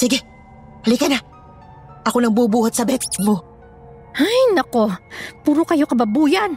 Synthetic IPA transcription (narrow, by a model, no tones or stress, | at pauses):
siɡɛ | hɐlikɐna | ʔɐkonɐŋbubuːhɐt̪̚sɐbɛt̪ɪ̥t͡ʃmo | ajnɐko̞puːɾokɐjo̞kɐbɐbuːjan